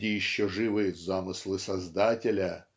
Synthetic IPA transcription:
ɪjɪɕːoʐɨvɨzamɨslˠɨsɐzd̪atʲɪlʲə

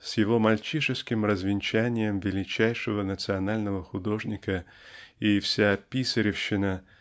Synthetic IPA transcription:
sjɪvo̞mɐlʲt͡ɕiʂɨskʲɪmɾəzvʲɪnʲt͡ɕænʲɪjəmvʲɪlʲɪt͡ɕæjʂɨvənət̪sɨɐnalʲnəvəxʊd̪o̞ʐnʲɪkə | ifsʲaːpʲisəɾʲɪfɕːɪnə

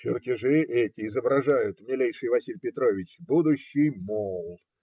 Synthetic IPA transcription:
t͡ɕɪrtʲɪʐɨʔɛtʲɪːzəbɾɐʐajʊt̪mʲɪlʲejʂɨjvɐsʲilʲpʲɪt̪ɾo̞vʲɪt͡ɕbud̪ʊɕːɪjmolˠ

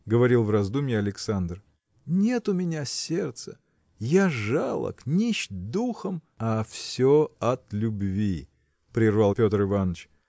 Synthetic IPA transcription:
ɡəvɐɾʲilˠvrɐzd̪umʲjɪɐlʲɪksand̪r | nʲe̞t̪ʊmʲɪnʲasʲert̪sə | jaʐalˠə̰knʲiɕd̪uxəm | ɐfsʲoɐt̪lʲʊbvʲi | pɾʲɪrvalˠpʲo̞t̪ərɨvanət͡ɕ

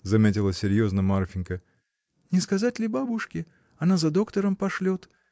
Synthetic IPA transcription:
zɐmʲetʲɪlˠəsʲɪɾʲjo̞znəmarfʲɪnkə | nʲɪskɐzatʲlʲɪbabʊʂkʲɪ | ɐnazɐd̪o̞kt̪əɾəmpɐʂlʲot̪

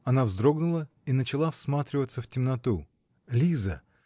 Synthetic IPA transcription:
ɐnavzd̪ɾo̞ɡnʊlˠə | inət͡ɕɪlˠafsmat̪ɾʲɪvət̪səftʲɪmnɐt̪u | lʲizə̰

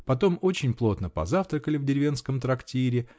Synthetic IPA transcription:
pɐt̪o̞mo̞t͡ɕɪnʲplˠo̞t̪nəpɐ̰zaft̪ɾəkəlʲɪvdʲɪɾʲɪvʲe̞nskəmt̪ɾɐktʲiɾʲɪ

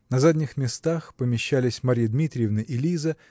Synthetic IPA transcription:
nɐzadʲnʲɪxmʲɪst̪axpəmʲɪɕːælʲɪsʲmaɾʲijəd̪mʲit̪ɾʲɪjɪvnəʔɪlʲizə

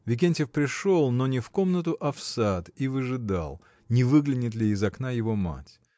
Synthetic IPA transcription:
vʲɪk̬ʲenʲtʲɪfpɾʲɪʂo̞lˠno̞nʲɪfko̞mnət̪̬ʊʔɐfsat̪ivəʐɨd̪a̰lˠ | nʲɪvɨɡlʲɪnʲɪt̪lʲɪːzɐknajɪvo̞ma̰tʲ

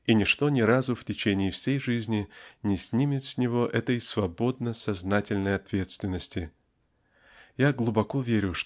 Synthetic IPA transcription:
inʲɪʂt̪o̞nʲɪɾazʊftʲɪt͡ɕenʲɪːfsʲejʐɨzʲnʲɪnʲɪsʲnʲimʲɪt̪sʲnʲɪvo̞ʔɛt̪əjsvɐbo̞d̪̚nəsɐznatʲɪlʲnəjɐt̪vʲe̞t̪st̪vʲɪnːəsʲtʲɪ | jaɡlˠʊbɐko̞vʲeɾʲʊʂ

